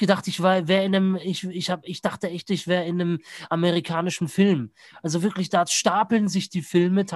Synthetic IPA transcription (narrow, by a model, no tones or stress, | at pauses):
ɡ̥ədaχtɪçv̥aɐvɛːɪnəmɪçɪçhaːbəɪçd̥aχtəʔɛçtɪçv̥ɛːʁəɪnːəmʔameʁikʰaːnɪʃn̩fɪlm | ʔalzovɪɐklɪçd̥aːʃtaːpl̩ənzɪçd̥iːfɪlmətʰ